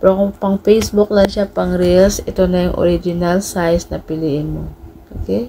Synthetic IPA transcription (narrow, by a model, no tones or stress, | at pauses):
pɾokpɐŋfɛjsbʊk̚lɐŋʃapɐŋɾɛlsʔɛt̪o̞nɐjʊŋʔo̰ɾid͡ʒɪnalsajsnɐpɪliːʔɪnmoʔo̰kɛj